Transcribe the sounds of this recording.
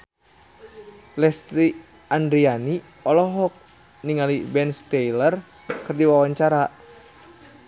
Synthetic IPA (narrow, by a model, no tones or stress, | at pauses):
lɛst̪ɾi | andɾiani | ɔlɔɦɔk̚ | niŋalibɛnst̪ɛjlər | kɨrdiwawaɲt͡ʃaɾa